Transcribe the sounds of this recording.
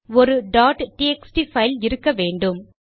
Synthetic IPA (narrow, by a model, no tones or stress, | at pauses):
ɔɾɯɖaːʈʈiɛksʈifɐɪlɪɾɯkːɐʋeːɳɖɯm